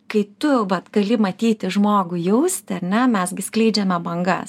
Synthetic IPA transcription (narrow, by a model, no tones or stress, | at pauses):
kɐɪt̪ʊʋɐt̪ɡ̥ɐlʲɪmɐt̪ʲiːt̪ʲɪʒmoːɡʊjɛʊsʲt̪ʲɪɐɾʲnʲɛmʲɛsɡʲɪsklʲɛɪd͡ʒʲɛmʲɛbɐŋɡɐ̰s